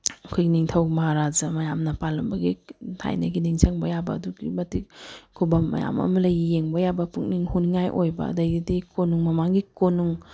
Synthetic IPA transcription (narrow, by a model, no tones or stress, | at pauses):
ɐkʰojɡiniŋtʰɐwmaɾazɐmɐjamnɐpalɐmbɐɡitʰa̰jnɐɡiniŋt͡ʃʰaŋbɐjabɐ̰ːduɡḭmɐtikʰubɐmːɐ̰ja̰mɐ̰mɐlɐjɡijeŋbɐjabɐpʰuk̚niŋhuniŋajʔojbɐ̰ɐ̰dɐjɡidikonuŋmɐmaŋɡikonuŋ